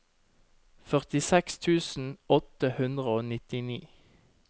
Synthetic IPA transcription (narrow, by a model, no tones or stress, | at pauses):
fœʁt̪ɪsɛkst̪ʰʉːsn̩ɔt̪əhʉnd̪ʁəoːnɪt̪ɪnḭː